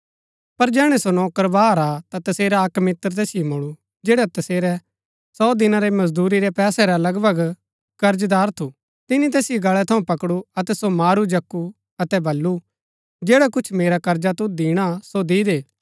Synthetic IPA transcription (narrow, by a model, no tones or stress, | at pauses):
pɐɾd͡ʒɛːɽ̃ɛsonɔːkəɾbaːɾat̪at̪ɐseːɾaɐkmɪt̪əɾt̪ɛːsɪjemoɭu | d͡ʒeːɽat̪ɐseːɾɛ | sɔːd̪ɪnaɾemɐzd̪uːɾiɾɛpɛːsɛɾalɐɡbʱɐɡ | kɐɾd͡ʒd̪aːɾt̪ʰu | t̪ɪnĩt̪ɛːsɪjeɡɐɭɛt̪ʰɐũpɐkɽuɐt̪ɛsomaːɾud͡ʒɐkːu | ɐt̪ɛbɐlːu | d͡ʒeːɽakʊt͡ʃʰmeːɾakɐɾd͡ʒat̪ud̪iːɽ̃asod̪iːd̪eː